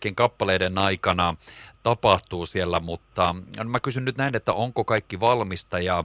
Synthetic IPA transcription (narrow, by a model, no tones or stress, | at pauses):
keŋkɑpːɑleidenɑikɑnɑt̪ɑpɑht̪uːsielːæmut̪ːɑnmækysynnyt̪næinet̪ːæ̰ʔoŋkokɑikːiʋɑlmist̪ɑjɑ